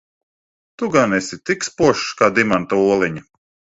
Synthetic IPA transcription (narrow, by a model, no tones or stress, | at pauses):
t̪uɡanɛsit̪ikspuɔʃkaːd̪imant̪auɔlˠiɲi